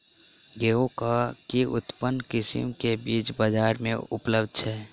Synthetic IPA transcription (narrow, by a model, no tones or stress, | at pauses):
ɡeokakiʔut̪pənkisḭmkebit͡ʃbəd͡ʒaɾmẽṵpləbd̪̚t͡ʃʰɛː